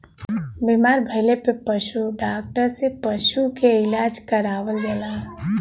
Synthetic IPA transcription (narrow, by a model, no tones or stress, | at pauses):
bimaɾbʱəjlepəpəʃuɖak̚ʈəɾsepəʃukeilad͡ʒkəɾaʋəld͡ʒɛlaɦ